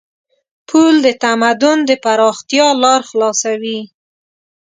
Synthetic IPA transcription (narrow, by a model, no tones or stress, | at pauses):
pʰuld̪ət̪amad̪ʊnd̪əpaɾɑxt̪jɑlɑɾxlɑsawi